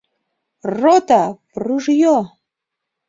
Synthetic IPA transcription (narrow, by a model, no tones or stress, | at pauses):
rot̪apruʒjo